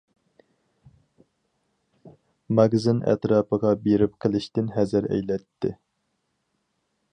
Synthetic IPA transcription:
mɑɡzɨnɛ̰t̪ɾɑːpəʁɑbeɾɪp̚qʰəlˠɪʃt̪ɪnɦɛzɪɾɛ̰jlɛt̪ʰːɪ̰

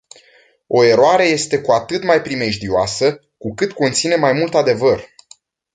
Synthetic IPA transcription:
o̞e̞ɾoaɾe̞je̞st̪e̞kuat̪ɨt̪majpɾime̞ʒd̪ioasə | kukɨt̪ko̞nt̪sine̞majmult̪ad̪e̞vər

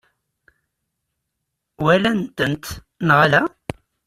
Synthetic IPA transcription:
wælænt̪ənt̪ | nʁalæ

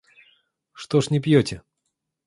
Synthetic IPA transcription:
ʂt̪oʂnʲɪpjotʲɪ

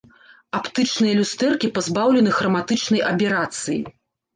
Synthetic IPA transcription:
apt̪ɨt͡ʂnɨjɐlʲust̪ɛrkʲipazbawlʲɛnɨxɾɐmat̪ɨt͡ʂnɐjʔɐpʲɛɾat̪sɨjḭ

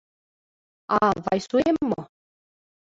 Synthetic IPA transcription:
ɑvɑjsuemːo

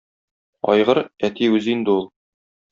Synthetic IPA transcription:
ɒ̰jʁɤɾæt̪iʉzind̪ɘulˠ

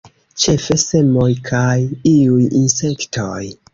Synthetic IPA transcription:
t͡ʃe̞fe̞se̞mojkʰajiujinse̞ktʰoj

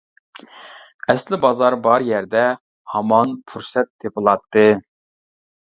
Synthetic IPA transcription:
ɛslɪbɑzɑɾbɑɾjɛɾd̪ɛ | hɑmɑnpʰuɾsɛt̪ʰːepɨlˠɑt̪ːɨ

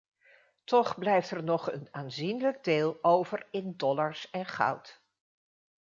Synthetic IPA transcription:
tɔχblɛjftɛɹnɔχənaːnzinləɡ̚deːlˠowvəɹɪndɔlaɹsɛnχɑ̰wt

